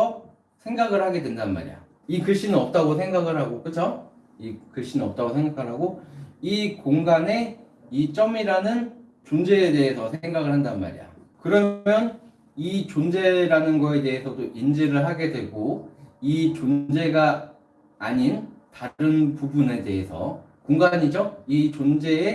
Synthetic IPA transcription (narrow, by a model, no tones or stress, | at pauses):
ʌ | sʰe̞ŋɡaɡɯɭhaɡe̞dwe̞ndanma̰ɾḭja̰ | ikɯɭɕ͈inɯnʌp̚t͈aɡosʰe̞ŋɡaɡɯɭɦaɡok͈ɯt͡ɕʰʌ | ikɯɭɕ͈inɯnʌp̚t͈aɡosʰeŋɡakʰɯɭɦaɡoikoŋɡane̞ | it͡ɕ͈ʌmiɾanɯn | t͡ɕond͡ʑe̞ːde̞ɦesʰʌsʰee̞ŋɡaɡɯɭhandanma̰ɾḭja̰ | kɯɾʌmjʌn | it͡ɕond͡ʑe̞ɾanɯnɡʌe̞de̞ɦesʰʌdoʔind͡ʑeɾɯɭɦaɡe̞dwe̞ɡoit͡ɕond͡ʑe̞ɡaː | ɲintaɾɯnpubune̞de̞ɦesʰʌ̰ | koŋɡaɲid͡ʑʌit͡ɕond͡ʑe̞ː